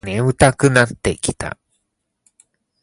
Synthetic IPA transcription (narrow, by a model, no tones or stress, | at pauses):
nẽɯ̟t̪akɯ̟nat̪ːe̞kʲi̥t̪a̰